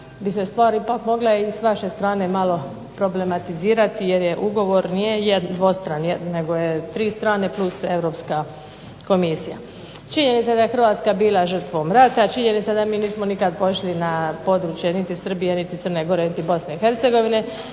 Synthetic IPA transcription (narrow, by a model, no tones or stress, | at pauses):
bisest̪ʋaːɾipakmo̞ɡlaisʋaʃe̞st̪ɾaːne̞malo̞ | pɾo̞ble̞mat̪iziːɾat̪ije̞ɾje̞ʔuɡo̞ʋo̞ɾnije̞jed̪d̪ʋo̞st̪ɾanjedne̞ɡo̞jet̪ɾiːst̪ɾaːne̞plˠuse̞ʋɾo̞pska | ko̞misija̰ | t͡ʃiɲenit̪sad̪ajexr̩ʋaːt̪skabiːlˠaʒər̩t̪ʋo̞mɾat̪at͡ʃiɲenit̪sad̪amiːniːsmonikad̪po̞ʃlinapo̞d̪ɾuːt͡ʃjenit̪isr̩bijenit̪it̪sərneɡo̞ɾenit̪ibo̞sne̞ixe̞ɾt̪seɡo̞ʋine̞